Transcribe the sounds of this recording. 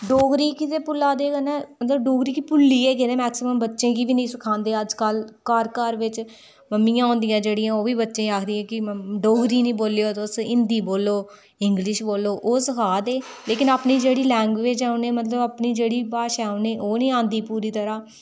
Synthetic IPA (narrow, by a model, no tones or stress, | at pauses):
ɖoːɡɾiːkɪt̪eːpʊlːãːd̪eːkənɛːmət̪ləbɖoːɡɾiːkipʊlːiːeːkeːneːmɛːksɪməmbətːʃẽːkiʋiːnĩːsʊkʰãːnd̪eːəd͡ʒkəlkəɾkəɾʋɪt͡ʃ | məmːiːãːõːnd̪ijãːd͡ʒeːɽijãːoːʋiːbətːʃẽːaːkʰd̪ĩːãːkɪɖoːɡɾiːnĩːboːlejoːt̪ːsɪnd̪iːboːloː | ɪŋɡlɪʃboːloːʔoːsəkʰaːd̪eːleːkɪnaːpniːd͡ʒeːɽiːlɛ̃ːŋɡʋeːd͡ʒɛːoneːmət̪ləbaːpniːd͡ʒeːɽiːbaːʃɛːoneːʔoːnĩːãːnd̪iːpuːɾiːt̪əɾãː